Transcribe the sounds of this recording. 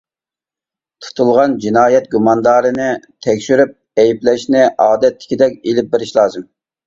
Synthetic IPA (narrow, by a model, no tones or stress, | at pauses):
t̪ʰu̥t̪ʰulˠʁɑnd͡ʒinɑːjɛt̪̚ɡumɑnd̪ɑːɾɨnɪt̪ʰɛkʲʃyɾyp̚ | ɛjiplɛʃnɪʔɑːd̪ɛt̪ʰːɪ̥kʲid̪ɛkʲelɪp̚bɪɾɪʃlˠɑːzɨm